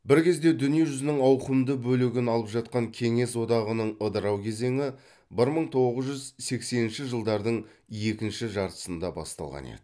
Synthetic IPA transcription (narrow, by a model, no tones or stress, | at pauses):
bɪɾkʲʰe̞zd̪e̞d̪ʏnije̞ʒʏzɪnɪŋɑwqəmd̪əbɵlɪɡʲɪnɑlˠəpʒɑt̪̚qɑŋkʲʰe̞ŋe̞swo̞d̪ɑʁənəɴəd̪əɾɑwkʲʰe̞ze̞ŋɪ | bɪɾməɴt̪ʰo̞ʁəzʒʏzse̞kse̞nɪnʃɪʒəlˠd̪ɑɾd̪əɴ | je̞kʲɪnʃɪʒɑɾt̪ə̥sənd̪ɑbɑ̰st̪ɑ̰lˠʁɑ̰nḛd̪ɪ